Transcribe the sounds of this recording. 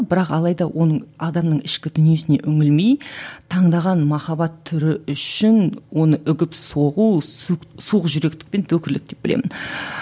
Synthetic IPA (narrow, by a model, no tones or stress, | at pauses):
bɪɾɑqɑlˠɑjd̪ɑwʔo̞nəɴɑd̪ɑmnəɴɪʃkʲɪd̪ʏnije̞sɪne̞̰ʔʏŋɪlmejt̪ʰɑɴd̪ɑʁɑnmɑχɑbɑt̪ʰːʏɾɪʏʃɪnwo̞nəʔʏɡʲɪpso̞ʁu | suəqʒʏɾe̞k̚t̪ɪ̥k̚pe̞nt̪ʰɵkʲɪɾlɪk̚d̪e̞p̚b̥ɪlemɪn